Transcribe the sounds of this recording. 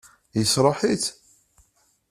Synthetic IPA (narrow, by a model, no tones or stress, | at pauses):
jəsɾˤɑħit͡s